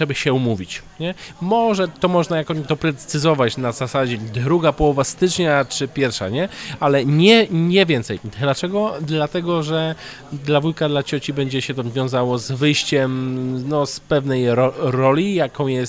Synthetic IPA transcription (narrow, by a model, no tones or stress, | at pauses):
ɛbaɕɛumuvʲit͡ɕɲɛmɔʐɛt̪ɔmɔʐnajakɔ̃d̪ɔpɾɛt̪sɘzɔvat͡ɕnazasad͡ʑɛd̪ɾuɡapɔwɔvast̪ɘt͡ʂɲat͡ʂɘpʲjɛɾfʂa̰ɲɛalɛɲɛɲɛvʲjɛnt̪sɛj̪lat͡ʂɛɡɔd̪lat̪ɛɡɔʐɛ | d̪lavujkad̪lat͡ɕɔt͡ɕibɛɲd͡ʑɛɕɛt̪ɔvvʲjɔ̃w̃zawɔzvɘjɕt͡ɕɛmnɔspɛvnɛjɾɔɾɔlʲijakɔ̃w̃jɛst̪